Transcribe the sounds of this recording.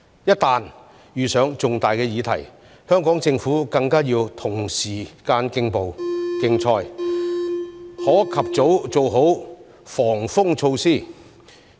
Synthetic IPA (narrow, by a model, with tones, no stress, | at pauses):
jɐ˥t̚t̪aː˨˧n | jyː˨˩sœː˨˥ŋt͡sʊ˨ŋt̪aː˨jkɛː˧jiː˨˧t̪ʰɐ̰˨˩j | hœː˥ŋkɔː˨˥ŋt͡sɪ˧ŋfuː˨˥kɐ˧ŋkaː˥jiː˧wt̪ʰʊ˨˩ŋsiː˨˩kaː˧nkɪ˧ŋpo˨wkɪ˧ŋt͡sʰɔː˧j | hɔː˨˥kʰɐ˨p̚t͡so˨˥wt͡so˨wɦo˨˥w | fɔː˨˩ŋfʊ˥ŋt͡sʰo˧wsiː˥˩